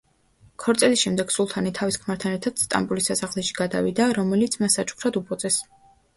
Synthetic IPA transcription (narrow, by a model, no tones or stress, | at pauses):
kʰɔɾt̪sʼɛlisʃɛmd̪ɛɡ̥sulˠt̪ʰanit̪ʰaviskʰmaɾt̪ʰanɛɾt̪ʰad̪̥st̪ʼa̰mbulisasaʁlɛʃi̥ɡ̥ad̪a̰vid̪aɾɔmɛlit̪sʰmasːat͡ʃʰʼu̥kʰɾad̪upʰʼɔt̪sʼɛs